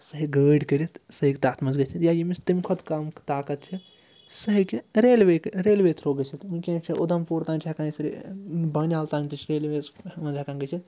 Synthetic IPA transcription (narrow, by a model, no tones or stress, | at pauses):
sɐɦiɡəːɖkəɾit̪sɐɦikʲt̪aːt̪ʰmɐnzɡɐt͡ʃʰit̪jajimist̪imkʰot̪kamkt̪aːkɐt̪̚t͡ʃʰi | sɐɦikiɾeːlʋekɾeːlʋet̪ʰɾoːɡɐt͡ʃʰit̪unkʲẽːt͡ʃʰiʔod̪ɐmpuːɾt̪aːnʲt͡ʃʰekãːnisɾḭbɐnʲaːlt̪ãːnt͡ʃit͡ʃʰɾeːlʋesʋɐnzɐkaːnɡɐt͡ʃʰit̪